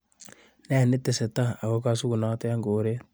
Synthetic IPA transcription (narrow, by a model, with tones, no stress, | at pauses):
nɛ˦˨nɪ˦te˨sɛ˨ta˦a˨ko˦ka˦su˦ku˨na˦te˦ja˦ŋɡoː˨ɾe˦